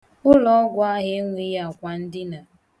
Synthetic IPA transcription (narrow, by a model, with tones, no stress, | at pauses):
ʊ˦lɔ˦ɔ˦ɡʷʊ˨˦a˦ɦɪ˦ŋʷi˦ja˨kʷa˨n̩˦dɪ˦na˨